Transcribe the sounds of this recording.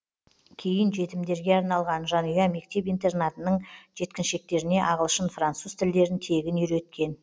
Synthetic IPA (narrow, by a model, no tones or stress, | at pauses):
kʲʰe̞jɪnʒe̞t̪ɪmd̪e̞ɾɡʲe̞ɑɾnɑlˠʁɑnʒɑnujɑme̞k̚t̪e̞pijnt̪e̞rnat̪ənəɴʒe̞t̪kʲɪnʃe̞k̚t̪e̞ɾɪne̞ʔɑʁəlˠʃənfrant̪suzt̪ʰɪld̪e̞ɾɪnt̪ʰe̞ɡʲɪnʏjɾe̞t̪̚kʲe̞n